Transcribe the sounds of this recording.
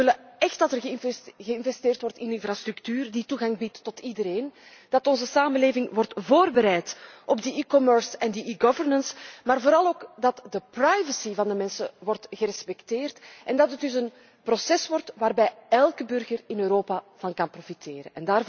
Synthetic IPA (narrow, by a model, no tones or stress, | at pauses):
ɪləɛxtdɑtərɣɣəɪnvɛsteːrtwɔrtɪnɪnfrast̪ɾyktyːrdituɣɑŋbitːɔtidəɾeːn | d̥ɑtɔnzəsaːməleːvɪŋwɔrtvoːrbəɾɛjtʔɔbdəikɔmœɹsɛndəʔiɡɔvərnənsmaːrvoːɾɑlˠoːkdɑtdəprajvəsivɑndəmɛnsə̰ʋɔrtɣəɾɛspɛkteːrtʔɛndɑtət̚dʏsən | prɔsɛswɔrtʋaːrbɛjɛlˠkəbʏrɣərɪnøːɾoːpav̥ɑnkɑnprofitʰeːɾə̰ɛndaːr